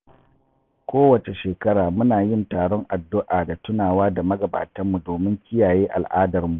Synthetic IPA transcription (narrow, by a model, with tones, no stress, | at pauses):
kʷoː˦wɐ˨t͡ʃe˨ʃeː˨kɐ˦ɽaː˨mʊ˦naː˨jɪ˦ntaː˨ɽɔ˦ŋʔa˨dːʊ˦ʔaː˨da˨tʊ˦naː˨waː˦da˨mɐ˦ɡɐ˨ba̰ː˨tɐ˦mːu˨doː˨mɪ˦ŋkʲɪ˦jaː˨jeː˦ʔa̰˨lʔaː˦dɐ˨rmu˨ʔ